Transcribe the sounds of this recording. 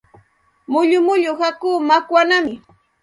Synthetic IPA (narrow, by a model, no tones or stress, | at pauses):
mʊʎʊmʊʎʊhakuːmakwanamɪ